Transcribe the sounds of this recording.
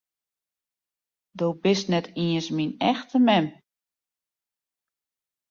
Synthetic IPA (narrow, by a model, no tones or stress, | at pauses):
dowbɪsnɛtʰiəsminɛxtʰəmɛm